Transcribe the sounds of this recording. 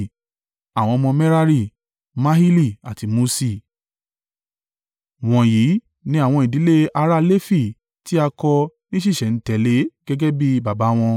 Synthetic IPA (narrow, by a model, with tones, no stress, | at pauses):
a˨w̃ɔ̃˧mɔ̃˧mɛ˦ɾa˦ɾi˦˨ | mã˦ɦi˦li˦˨a˨ti˧mo˧si˧˨ | w̃ɔ̃˨ji˨˦ | nĩ˦a˦˨w̃ɔ̃˧i˨di˨˦le˦a˧ɾa˦le˦fi˦˨ | ti˦a˧kɔ˧nĩ˦ʃ̬i˦˨ʃɛ˨n̩˨˦tɛ˨le˨˦ɡ̥ɛ˦ɡɛ˦bi˦ba˨ba˨˦w̃ɔ̃˧